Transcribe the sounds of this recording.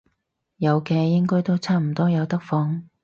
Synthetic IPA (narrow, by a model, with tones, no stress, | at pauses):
jɐ˨˧wkɛː˧jɪ˥ŋkɔː˥jt̪o˥wt͡sʰaː˥m̩˨˩t̪ɔː˥jɐ˨˧wt̪ɐ˥k̚fɔː˨˥ŋ